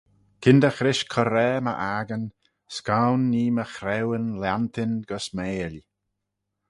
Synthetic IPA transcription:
kʰɪnd̪əxɾɪʃkʰɔɾɛːmə̰ʔaɡən | skawnːiːməxɾɛwənlant̪ʰɪnɡəsmeːli

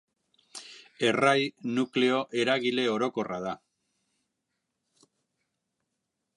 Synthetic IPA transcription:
e̞rajnukle̞o̞ʔe̞ɾaɣile̞o̞ɾo̞ko̞raða

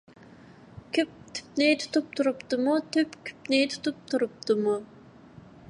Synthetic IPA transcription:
kʲʰyp̚t̪ʰy̥pnɪt̪ʰu̥t̪ʰup̚t̪ʰuɾupt̪ɨmut̪ʰypkʲʰy̥pnɪt̪ʰu̥t̪up̚t̪ʰuɾup̚t̪ɨmu

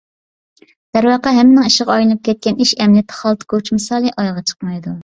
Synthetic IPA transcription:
d̪̥æɾwɑːqɑɦɛmːɪnɪŋiʃəʁɑɑjlˠɨnɨp̚kʲʰɛt̪̚kʲɛniʃɛmnɪt̪ʰːɪ̥χɑlˠt̪kʰot͡ʃmɨsɑːlˠɨʔɑjʁɑt͡ʃʰə̥qmɑjd̪u

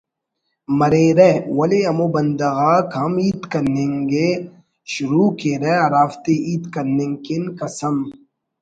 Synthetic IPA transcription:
mɐɾeːɾewɐleɐmobɐnd̪ɐɣaːkhɐmiːt̪kɐɾnẽːŋɡe | ʃʊɾuːkeɾɛɐɾaːft̪eiːt̪kɐɾnẽŋkinkɐsɐm

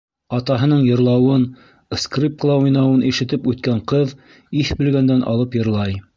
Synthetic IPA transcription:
ɑt̪ɑɦɤ̆nɤɴjɤ̆ɾlˠɑwɤn | skrʲip̚klˠɑujnɑwɤnʔiʃɘ̆t̪ɘpʉt̪kæɴqɤð | iθbɘ̆lɡænd̪ænʔɑ̰lˠɤpjɤ̆ɾlˠɑj

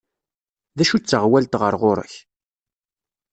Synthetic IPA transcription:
ðæʃut͡sːəʁwælt̪ʁə̰ɾˤʁʊɾə̰ç

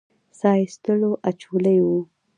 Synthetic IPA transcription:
sɑjist̪əloʔat͡ʃuləjwu

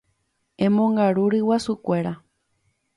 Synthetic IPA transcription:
ẽmõŋɡaɾuɾɨwasukʷe̞ɾa

